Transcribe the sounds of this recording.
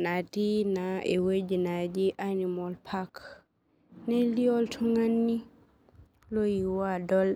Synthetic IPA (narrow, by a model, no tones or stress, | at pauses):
natinaɛwed͡ʒinad͡ʒiʔanimɔlpʰak | nɛliɔltʰuŋanːi | lojiwadɔl